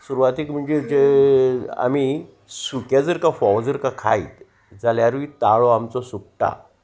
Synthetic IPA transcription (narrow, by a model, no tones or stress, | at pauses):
suɾʋat̪ikm̤əɳd͡zed͡ze | a̰mi | sukjad͡zəɾkafɔʋd͡zəɾkakʰa̰it̪ | d͡zaljaɾʋit̪aɭɔamt͡sɔsuk̚ʈa̰